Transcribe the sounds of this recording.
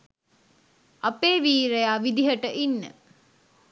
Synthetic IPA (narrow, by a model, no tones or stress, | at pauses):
apeːʋiːɾejaːʋid̪iɦəʈəʔinːə̰